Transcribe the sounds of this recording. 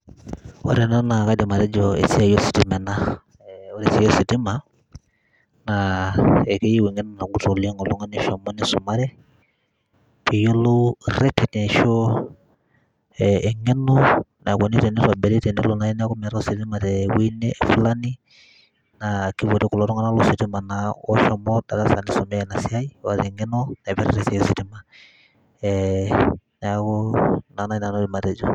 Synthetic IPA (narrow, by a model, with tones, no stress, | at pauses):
wɔ̰˦ɾɛ˨nɛ˦na˨ka˦dɛ˨ma˨ɾɛ˦d͡ʒɔ˨ḛ˨si˦a˨jɔ˦si̥˨ti˦mɛ˨na˦ | ɔ˦ɾi˨si˦jɔ˦si˨ti˦ma˨ | na˨ɛ˨kɛ˦je˦wi˨ŋɛ˦nɔ˨na˨ɡu˦to˨li˦ŋɔ˨lu˦ŋɔ˦ni˨˦ʃɔ˨mɔ˦ni˦su˨ma˦ɾɛ˦ | pi˨jo˦lo˦ɾɛ˦tɛ˨tɛ˨ʃɔ˦ | ɛɛ˨ŋɛ˦nɔ˦na˨kɔ˨ni˦tɛ˨nɪ˦ɾa˨bɛ˨ɾɛ˦tɛ˨ni˦lo˨na˨˦i˦n˦a˦kʊ˦mɛ˨˦ɾa˦si˨tɪ˦ma˨tɛ˨wi˦nɛ˦˨fla˦ni˦ | na˨ki˦pɔ˨ti˦ku˨lɔ˨ɾɔ˦ŋa˦na˦lu˦sɪ˨tɪ˦ma˨na˨ɔ̰˦ʃɔ˨mɔ˦da˨ɾa˦sa˨nɪ˨sɔ˨mɛ˦˨na˨si˦a˦i˦wa˨tɛ˨ŋɛ˦nɔ˦na˨pɛ˦ɾɛ̰˨ɾɛ˦sɛ˨˦si˨ti˦ma˨ | ɛ | na˨a˦kɔ˦na˨na˦na˨nɔ˦dɪ˨ma˨tɛ˨d͡ʒɔ˨